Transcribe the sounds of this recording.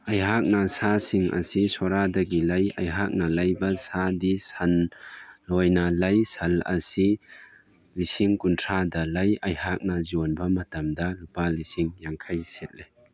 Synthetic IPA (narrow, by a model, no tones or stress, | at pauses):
ʔɐjɦak̚nasasiŋʔɐ̰sisɔɾad̪ɐɡilɐjʔɐjɦak̚nalɐjbɐsad̪isɐnː | ɔjnalɐjsɐlɐ̰si | lisiŋkuntʰad̪ɐlɐjɐjhak̚nazɔnbɐmɐt̪ɐmd̪ɐlupalisiŋjaŋkʰɐjset̪̚le